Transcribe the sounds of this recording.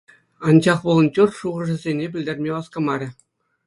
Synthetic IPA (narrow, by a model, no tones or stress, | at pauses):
ɑnd͡ʑɑχʋɤlˠɤ̆nt͡ɕurʂuʁɤ̆ʐɘ̆zʲenʲebʲɘ̆lʲdʲerʲmʲeʋɑskɤ̆mɑɾʲɘ̆